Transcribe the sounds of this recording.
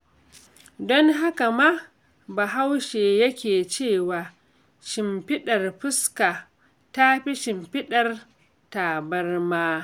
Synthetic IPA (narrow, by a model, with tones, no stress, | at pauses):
dɔ˦ŋɦa˦ka˨ma˦ | ba˨ɦa˦wʃeː˨jɐ˦kʲeː˨t͡ʃeː˦˨waː˨ | ʃɪ˨mɸɪ˦ɗɐ˨rɸɪ˦ska˨ | ta˦ɸi˦ʃɪ˨mɸɪ˦ɗɐ˨r | taː˨bɐ˦rmaː˦